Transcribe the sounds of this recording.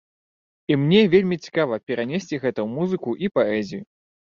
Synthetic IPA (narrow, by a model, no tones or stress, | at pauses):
imnʲɛvʲelʲmʲit͡sʲi̥kavɐpʲɛɾanʲesʲt͡sʲiɣɛt̪ɐwmuzɨkuʔipaɛzʲiju